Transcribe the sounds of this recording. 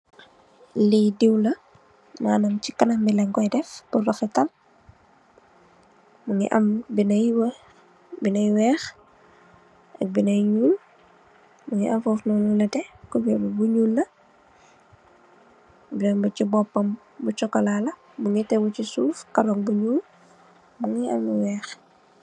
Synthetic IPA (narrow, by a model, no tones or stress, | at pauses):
lidiwlɐ | maːnɐmt͡ʃikɐnɐmbilɛŋɡɔjdɛfb̥urɔxɛtɐl | muŋḭʔɐ̰mbinɐjw | binɐjwɛːx | ɐk̚binɐjɲuːl | muŋḭʔɐmfɔːfnɔnulɐtɛkubɛbubuɲuːlnɐ | binɐmbucibɔpːɐm | but͡ʃɔkːɐlalɐ | muŋitɛwut͡ʃisuːfkɐɾɔŋbuɲuːl | muŋiɐ̰miwɛːx